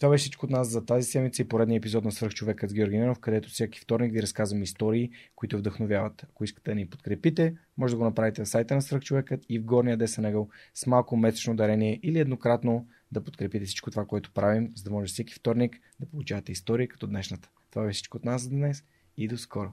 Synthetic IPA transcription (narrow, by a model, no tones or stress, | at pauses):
t̪ovabɛʃsit͡ʃkoot̪naszɐt̪azisɛd̪mit̪səipoɾɛd̪niəɛpizɔt̪nɐsvɾ̩xt͡ʃovɛkət̪ɡʲiɔɾɡʲinɛnofkɐd̪ɛt̪ofsʲjaki̥ft̪ɔɾnikviɾɐskazvəmist̪ɔɾiːkoit̪ʊvd̪əxnovʲjavət̪ɐkoiskə̥t̪ɛd̪ɐnipo̥t̪̚kɾɛpit̪ɛmɔʒɛd̪ɐɡonɐpɾavit̪ɛɐfsajt̪ənɐsvɾ̩xt͡ʃovɛkət̪ivɡɔɾnijəd̪ɛsənɛɡəlˠsmalˠkomɛse̥t͡ʃnod̪ɐɾɛniɛʔiliɛd̪nokɾat̪no | d̪ɐpot̪kɾɛpit̪ɛfsi̥t͡ʃkot̪ovakoɛt̪o̥pɾavimzɐd̪ɐmɔʒɛsʲaki̥ft̪ɔɾnik | d̪ɐpolˠut͡ʃavɐt̪ɛist̪ɔɾiəkɐ̥t̪ɔd̪nɛʃnət̪ə̥t̪ovabɛʃsit͡ʃkoːt̪naszɐd̪nɛs | id̪oskʰɔɾo